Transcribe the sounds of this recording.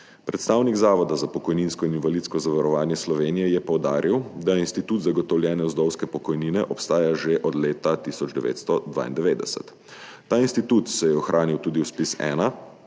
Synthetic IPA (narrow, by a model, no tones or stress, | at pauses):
pɾɛt̪st̪aːwniɡzaːʋɔd̪azapɔkɔjninskɔininvalit̪skɔzaʋaɾɔʋaːnjɛslɔʋeːnijɛjɛpɔwd̪aːɾʔiwd̪ajɛinst̪it̪uːt̪zaɡɔt̪ɔwljɛːnɛɔzd̪ɔwskɛpɔkɔjniːnɛʔɔpst̪aːjaʒeʔɔd̪leːt̪at̪isɔd͡ʒd̪ɛʋḛːt̪st̪ɔd̪ʋa̰ːḭnd̪ɛʋeːd̪ɛ̰sɛ̰t̪ː | aːinst̪it̪ut̪sɛjɛɔxɾʔaːniwt̪uːd̪iwspisɛ̰ːna